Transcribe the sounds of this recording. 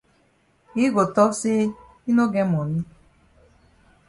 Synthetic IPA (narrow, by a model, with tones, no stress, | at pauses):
i˦ɡo˨tɔ˦se˦ | i˦no˦ɡe˦mɔ˨ni˦